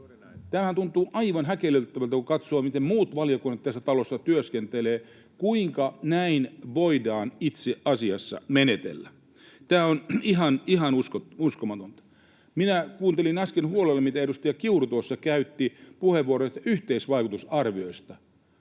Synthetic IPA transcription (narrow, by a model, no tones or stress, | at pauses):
t̪æːmæhænt̪unt̪uːʔɑiʋɑnɦækelelt̪ːæʋælt̪ækukɑt̪soːmit̪emmuːt̪ʋɑljokunːɑt̪t̪æsːæt̪ɑlosːɑt̪yøskent̪eleː | kuiŋkɑnæinʋoidɑːnit̪seɑsiɑsːɑ̰menet̪ḛlːæ | t̪æːoniɦɑniɦɑnuskouskomɑt̪ont̪ɑ̥ | minækuːnt̪elinɑskenhuolelːemit̪æedust̪ɑjɑkiurut̪uosːɑkæyt̪ːipuheʋːuoɾoit̪yht̪eisʋɑikut̪usɑrʋioist̪ɑ